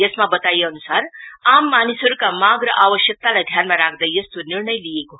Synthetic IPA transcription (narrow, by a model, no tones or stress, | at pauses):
jesmabʌt̪ajeʌnusaɾamːanisɦʌɾukamaɡɾəʔaʋəsjək̚t̪alajd̪ʱjanmaɾakʰd̪əjjʌst̪oniɾɳʌjlijeko